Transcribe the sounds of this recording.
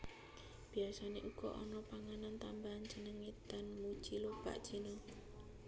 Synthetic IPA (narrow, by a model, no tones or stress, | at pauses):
b̥iasaneʔuɡ̥ɔʔɔnɔpaŋanant̪ambaɦand͡ʒənəŋet̪d̪̥anmu̥t͡ʃilob̥a̰ʔʒ̥i̤nɔ